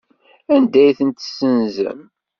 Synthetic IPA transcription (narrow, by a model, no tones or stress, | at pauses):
ænd̪æjθənt̪sːənzə̰m